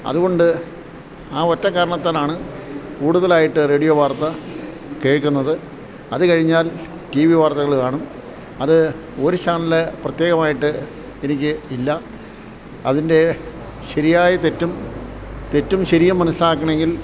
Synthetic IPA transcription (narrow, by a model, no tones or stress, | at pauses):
ɐ̰ðuɣo̞ɳɖɨ | aːotːɐkːaːɾɐɳɐt̪ːaːnaːɳɨkuːɽuðɐlaːjiʈːɨre̞ːɽijoːʋaːrt̪ːɐ | ke̞ːɻkːunːɐðɨ | ɐðɨkɐɻiɲːaːl | tiʋiʋaːrt̪ɐɣɐɭkaːɳum | ɐðɨ | o̞ɾut͡ɕaːnɐlɨprɐt̪jeːɣɐmaːjiʈːɨ | enikʲːɨilːɐ | ɐðinde̞ | ɕɐɾijaːjɐt̪e̞tːum | t̪e̞tːumɕɐɾijɐmːɐnɐsilɐaːkːɐɳeŋɡil